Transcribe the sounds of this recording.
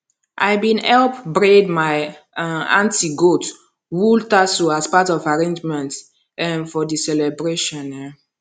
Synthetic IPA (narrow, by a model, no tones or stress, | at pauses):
ʔa̰jbĩnɛlpbɹedmaɪ | ã̰ntiɡot | wultasoaspatɔvaɹẽnd͡ʒmɛ̃nt | ɛ̃nfɔdisɛlɛbɹeʃɔ̃nɛ